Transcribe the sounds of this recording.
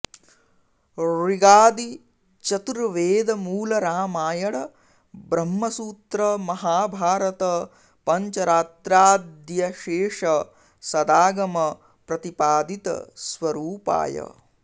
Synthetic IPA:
ɾiɡaːd̪i | t͡ʃɐt̪uɾʋeːd̪ɐmuːlɐɾaːmaːjɐɽɐ | bɾɐmːɐsuːt̪ɾɐmɐɦaːbʱaːɾɐt̪ɐ | pɐɲt͡ʃɐɾaːt̪ɾaːd̪jɐʃeːʂɐ | sɐd̪aːɡɐmɐ | pɾɐt̪ipaːd̪it̪ɐ̰sʋɐɾuːpa̰ːjɐ̰

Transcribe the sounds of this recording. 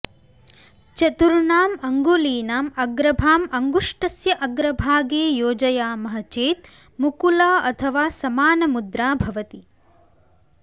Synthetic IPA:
t͡ʃɐt̪uɾuɳaːmɐŋɡuːliːnaːmɐɡɾɐbʱaːmɐŋɡuʂʈɐsjɐʔɐɡɾɐbʱaːɡeːjoːd͡ʒɐjaːmɐɦɐt͡ʃeːt̪ | mukulɐɐt̪ʰɐʋaːsɐmaːnɐmud̪ɾaːbʱɐʋɐt̪i

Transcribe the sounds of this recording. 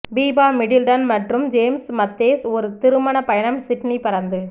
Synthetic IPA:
biːbaːmɪɽɪlɖɐnmɐʈrɯmd͡ʒeːmsmɐt̪ːeːsɔɾɯt̪ɪɾɯmɐnɐpɐjɐɳɐmsɪʈnipɪɾɐnd̪ɯ

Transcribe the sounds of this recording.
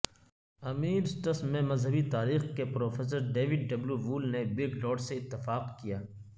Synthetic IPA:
ɐmiːɾsʈɐsmẽmɐzɦəbit̪aːɾiːxkepɾoːfeːs̬əɾɖeːʋɪɖɖɐbljuʋuːlnebɪɡlɔːɖseɪt̪ːɪfaːqkijaː

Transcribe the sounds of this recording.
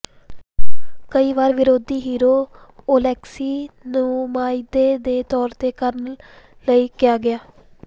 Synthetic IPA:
kəiːʋaːɾʋɪɾoːd̪iːɦiːɾoː | oːlɛːksiːnũːmaːɪd̪eːd̪eːt̪ɔːɾt̪eːkəɾn | ləiːkɪjaːɡɪjaː

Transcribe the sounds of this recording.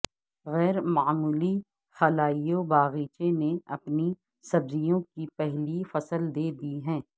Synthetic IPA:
ɣɛːɾmaːmuːli | xɐlaːijobaːɣiːt͡ʃeneɐpni | sɐbzijõkipɛɦlifɐsəld̪eːd̪iɦɛ̃ː

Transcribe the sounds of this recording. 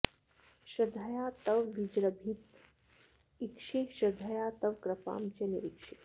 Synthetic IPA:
ʃəd̪ʱəjat̪ɐʋʋid͡ʑɾəbʱit̪ | ikʂiʃɐd̪ʱəjat̪ɐʋkɾɐpa̰ːmt͡ɕenḭɾikʂi

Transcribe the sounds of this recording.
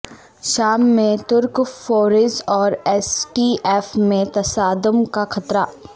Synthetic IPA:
ʃaːmːẽt̪ʊɾkfoːɾɪsɔːɾɛːsʈiːʔɛːfmẽt̪ɐsaːd̪ʊmkaxʰɐt̪ɾaː

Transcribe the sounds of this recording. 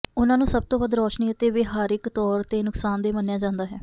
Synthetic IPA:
ʊnãːnũːsəb̚t̪õːbəd̪ɾɔːʃniːət̪eːʋɪɦaːɾɪkt̪ɔːɾt̪eːnʊksaːnd̪eːmənjaːd͡ʒãːnd̪aːɦɛː

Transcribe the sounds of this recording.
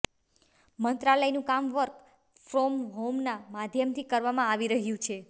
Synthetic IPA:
mənt̪ɾaləjnũkamʋəɾk | fɾɔmɦomnamad̪ʱjəmt̪ʰikəɾʋamãaʋiɾəɦjũt͡ʃʰe

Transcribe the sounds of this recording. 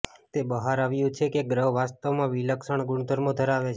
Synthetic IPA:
t̪ebəɦaɾaʋjũt͡ʃʰekeɡɾəɦʋast̪aʋmãʋiləkʃəɳɡʊɳd̪ʱəɾmõd̪ʱəɾaʋet͡ʃʰ

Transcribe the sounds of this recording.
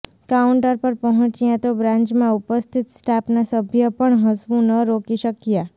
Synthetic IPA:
kauɳʈəɾpəɾpəɦɔ̃t͡ʃijãt̪obɾãɲt͡ʃmãupəst̪ʰit̪sʈapnasəbʱjəpəɳɦəsʋũnəɾokiʃəkja

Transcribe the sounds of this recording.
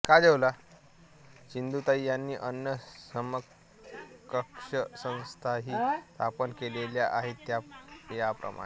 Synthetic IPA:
kad̪eʋla | t͡ɕind̪ut̪aijanːiːʔənːəsəmə | kːəkʂəsə̃w̃st̪ʰaɦiːt̪apənkeleljaʔaɦet̪ːjajapɾə̰ma̰e

